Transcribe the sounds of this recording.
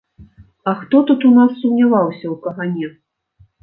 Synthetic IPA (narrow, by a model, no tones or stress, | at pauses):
ɐxt̪ɔt̪ut̪unasːumnʲavawsʲɐwkɐɣanʲɛ